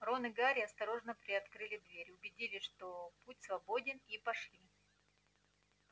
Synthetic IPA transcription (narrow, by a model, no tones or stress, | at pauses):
ro̞nɨɡaɾʲɪɐst̪ɐɾo̞ʐnəpɾʲɪɐt̪kɾɨlʲɪd̪vʲeɾʲʊbʲɪdʲilʲɪʂt̪oputʲsvɐbo̞dʲɪnipɐʂlʲi